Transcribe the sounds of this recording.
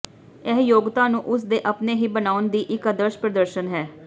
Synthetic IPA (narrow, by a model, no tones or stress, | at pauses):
ɛɦjoːɡt̪ãːnũːʔʊs̬d̪eːʔəpneːɦiːbənaːʊnd̪iːʔɪkəd̪əɾʃpɾəd̪əɾʃənɦɛː